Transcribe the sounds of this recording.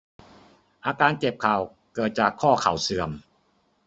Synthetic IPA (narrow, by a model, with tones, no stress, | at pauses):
ʔaː˧kaː˧nt͡ɕe˨˩p̚kʰa˨˩w | kɤː˨˩t̪̚t͡ɕaː˨˩kʰːɔː˥˩kʰa˨˩˦wsɯ˨˩əm